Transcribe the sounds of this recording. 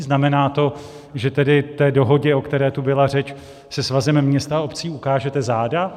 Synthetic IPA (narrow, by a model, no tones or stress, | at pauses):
znamɛnaːt̪o̞ | ʒɛt̪ɛdɪt̪ɛːdo̞ɦo̞ɟɛokt̪ɛɾɛːt̪ubɪlarɛt͡ʃ | sɛsvazɛmmːɲɛst̪aao̞pt͡siːukaːʒɛt̪ɛzaːda